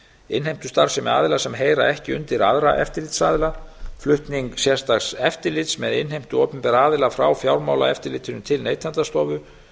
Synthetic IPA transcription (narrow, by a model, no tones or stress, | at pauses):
ɪnhejm̥t̪ʏ̥st̪aɾ̥sɪmɛ̰a̰ːðɪlasɛmɦejɾa̰ɛhcɪʏnt̪ɪɾa̰ðɾaʔɛ̰ft̪ɪɾlɪt̪saːðlaflʏht̪niŋksjɛ̥st̪aɣsɛft̪ɪlɪt̪smɛðɪnɦejm̥t̪ʏɔːpʏmpɛɾaːðɪlafɾawfjawɾmaːwla̰ɛft̪ɪɾlɪːt̪ʏnʏmt̪ʰɪlneːjt̪ʰant̪ast̪ɔːvʏ